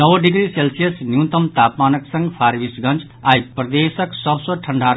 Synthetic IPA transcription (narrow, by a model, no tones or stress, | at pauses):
nʌwɖiɡɾiselsijʌsnjut̪ʌmt̪apmanʌksʌ̃ŋɡpʰaɾbisɡʌ̃nt͡s | ajprʌd̪esʌksʌbsʌʈʰʌɳɖʱaɾ